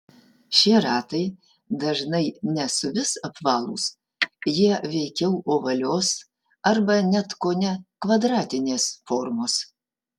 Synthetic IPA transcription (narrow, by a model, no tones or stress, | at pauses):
ʃʲiɛɾɑːt̪ɐɪ | d̪ɐʒnɐɪnʲɛsʊʋʲɪsɐpʋɑːlˠṵːs | jiɛʋʲɛɪkʲɛʊoːʋɐlʲoːs | ɐɾbɐnʲɛt̪koːnʲɛkʋɐd̪ɾɑːt̪ʲɪnʲeːsfoɾmoːs